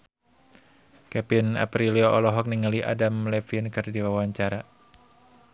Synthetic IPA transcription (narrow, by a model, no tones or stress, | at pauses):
kɛpina̰pɾiliɔʔɔlɔɦɔk̚niŋaliʔa̰damlɛfinkɨrdiwawaɲt͡ʃaɾa